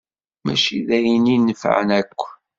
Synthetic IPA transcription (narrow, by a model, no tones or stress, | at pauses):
mæ̰ʃiðæjninːəfʕə̰nækʷː